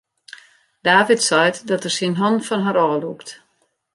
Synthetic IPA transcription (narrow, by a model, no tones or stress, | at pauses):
d̥aːvitsɔjtdɔtərsinɦɔnfɔnɦaɾɔːlukt